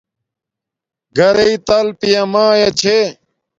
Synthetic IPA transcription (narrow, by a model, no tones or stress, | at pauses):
ɡɐɾeit̪ɐlpijɐmãːjɐt͡ɕʰe